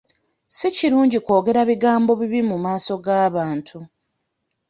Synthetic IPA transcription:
siciɾuːɲɟiko̞ːɡe̞ɾaβiɡaːmbo̞βiβimumaːso̞ɡaːβaːntʰu

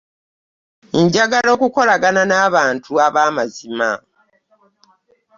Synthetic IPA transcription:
ɲɟaɡalo̞ːkuko̞laɡananaːβaːntʰuaβaːmazima

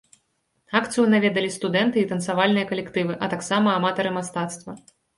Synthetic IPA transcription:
akt̪sɨjunavʲɛd̪ɐlʲist̪ud̪ɛnt̪ɨit̪ɐnsavalʲnɨjɐkɐlʲɛkt̪ɨvɨʔɐt̪aksamɐːmat̪ɐɾɨmast̪at̪st̪vɐ

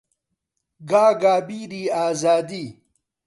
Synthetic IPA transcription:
ɡaːɡaːbiːɾiːaːzaːd̪iː

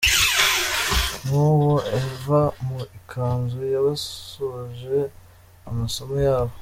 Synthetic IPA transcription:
nuwoʔevamuikʰaːnzujaβaoʒe̞ | amaso̞mojaːβo

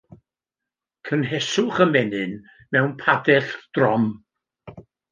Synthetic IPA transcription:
kʰənɦɛsʊχəmɛnɨn | mɛwnpʰadɛɬd̥rɔm

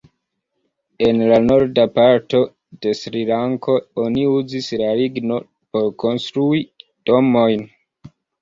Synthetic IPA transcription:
e̞nlano̞ɾdapaɾto̞ | d̥e̞sɾilaŋkʰo̞oniuzislaliɡno̞ | po̞ɾko̞nstɾuid̥o̞mo̞jn

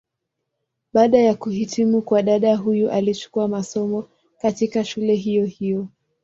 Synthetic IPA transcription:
ɓaːɗajakuɦitʰimukwaɗaɗaɦujuʔalit͡ʃu̥kuamasɔmɔ | katikaʃulɛɦijɔhijɔ

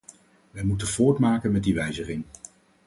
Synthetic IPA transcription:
ʋɛjmutənvʊːɹtmaːkənmɛdiʋɛjzəχɪŋ

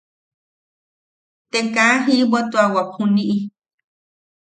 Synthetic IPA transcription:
t̪eŋkaaɦibot̪uawapʰunĩʔi

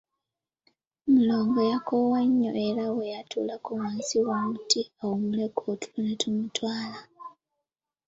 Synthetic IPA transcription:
muloːŋɡojakowaɲːo̰ʔeɾawe̞jatʰṵːlakuwaːnsiwomutiawomulekʰotu̥lunetʰumutwaːla

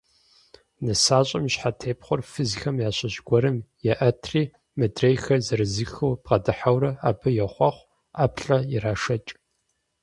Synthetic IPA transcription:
nɨsaːɕʼɐmɕħatʰeːpχʷʊrfizɪxʰɐmjaːɕʼɐʑɡʷɔɾɐmjɛʔɐtʰriː | mɐdrejxɐzɐɾɨzɨxɐwpqɐdɨħawɾɐa̰ːbʰɐjɛχʷɑχʷ | aːpʰɬʼɐjɪɾaːʂɐt͡ʃʼ

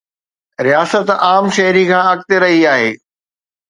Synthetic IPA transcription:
ɾijaːsət̪aːmʃɐɦɾikʰãːɐk̚t̪eɾɐɦiaːɦeː

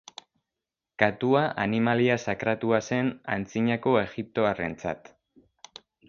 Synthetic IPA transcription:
kat̪uaʔanimaliasakɾat̪uase̞na̰nt͡siɲako̞e̞ɣip̚t̪o̞are̞̰nt͡sa̰t̪

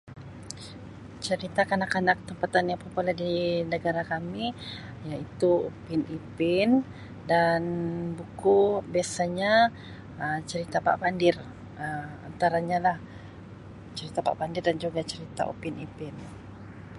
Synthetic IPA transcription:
t͡ʃəɾit̪akanakanak̚t̪əmpat̪anjaŋpəpoladinəɡaɾakami | jait̪uupinipɪn | danbukubiasaɲa | ət͡ʃəɾit̪apa̰ʔpandɪr | əma̰nt̪aɾaɲalah | t͡ʃəɾit̪apa̰ʔbandɪrdand͡ʒuɡat͡ʃəɾit̪a̰ṵpinipɪn

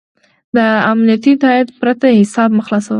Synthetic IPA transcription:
d̪əamnijat̪it̪ɑɪt̪pɾat̪ahɪsɑb̚məxlɑsawə

